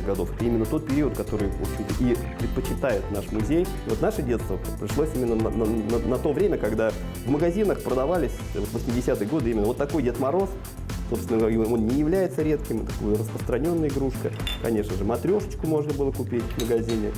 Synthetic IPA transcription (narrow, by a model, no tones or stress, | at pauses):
ɡɐd̪o̞fɛt̪əimʲɪnːət̪o̞t̪̚pʲɪɾʲiət̪̚kɐt̪o̞ɾɨjo̰it̪əʔi | pɾʲɪt̪̚pət͡ɕɪt̪ajɪt̪naʂmʊzʲej | vo̞t̪naʂɨdʲe̞t̪st̪vəpɾʲɪʂlˠosʲimʲɪnːənnnənɐt̪o̞vɾʲemʲəkɐɡd̪a | vməɡɐzʲinəxpɾəd̪ɐvalʲɪsʲ | vo̞t̪vəsʲmʲɪdʲɪsʲat̪ɨjəɡo̞d̪ɨimʲɪnːəvot̪ːɐko̞jdʲet̪mɐɾo̞s | sopsʲɪnəonnʲɪjɪvlʲæjɪt̪səɾʲe̞t̪kʲɪmt̪ɐkojʊrəspɾəst̪ɾɐnʲo̞nːəɪɡɾuʂkəkɐnʲe̞ʂnəʐɨmɐt̪ɾʲo̞ʂə̥t͡ɕkʊmo̞ʐnəbɨlˠəkʊpʲitʲvməɡɐzʲinʲɪ